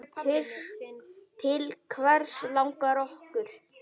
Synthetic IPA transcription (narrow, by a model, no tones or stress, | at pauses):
t̪ʰɪs | t̪ʰɪlkʰvɛɾ̥slawŋkaɾɔhkʏɾ̥